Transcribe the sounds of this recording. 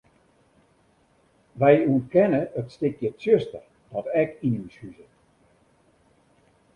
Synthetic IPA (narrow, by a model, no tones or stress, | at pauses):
ʋɛjuənkɛnəətstɪkjəsjøstər | d̥ɔtɛkinyshyzət